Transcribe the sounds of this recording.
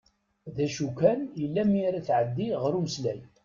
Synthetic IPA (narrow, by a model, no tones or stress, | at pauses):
ðæʃukːænilːæmːiɾæθʕəd̪ːiʁɾuməslæj